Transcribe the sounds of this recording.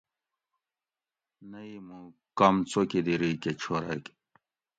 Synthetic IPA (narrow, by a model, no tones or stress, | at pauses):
nɐimũ | kɐmt͡sokid̪iɾiket͡ɕʰoɾa̰k